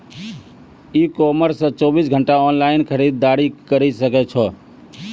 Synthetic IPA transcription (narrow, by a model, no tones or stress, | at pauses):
ikɔməɾsːə̃t͡ʃɔbisɡʱəɳʈaɔnlaɪnkʰəɾid̪ːaɾikəɾisəkɛt͡ʃʰɔ